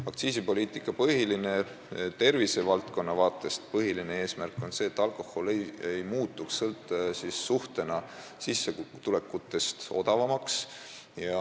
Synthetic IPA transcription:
ɑkt̪siːsipo̞lʲiːt̪ˑikːˑɑpɤɦiline̞ | t̪e̞rvisevɑlt̪ko̞nːɑvɑːt̪ːˑe̞st̪̚pɤɦilinee̞ːsmærkːˑo̞nse̞ːt̪ːˑɑlko̞ho̞lejejmuːt̪ːˑuksɤlt̪ːesisːuht̪e̞nɑ | sisːet̪ule̞kːˑut̪ːˑe̞st̪o̞̰d̪̥ɑvɑmɑks | jɑ

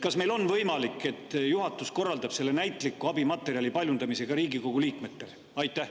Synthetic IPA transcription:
kɑsme̞jlo̞nvɤjmɑlikːˑe̞t̪ːˑjuɦɑt̪ːˑusko̞rːɑld̪̥ɑb̥se̞lːe̞næjt̪ːˑlikːuɑb̥imɑt̪ːˑe̞ɾiɑlʲipɑljund̪ɑmise̞ɡ̥ɑɾiːɡiko̞ɡ̥uliːkme̞t̪ːe̞l | ɑjt̪ˑːæh

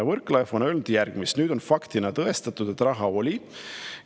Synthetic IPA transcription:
vɤrklɑefo̞nø̞lnud̪̥jærɡ̥mist̪nyːd̪̥onfɑkt̪inɑt̪ɤe̞st̪ɑt̪ːud̪̥e̞t̪ːˑrɑɦɑo̞lʲi

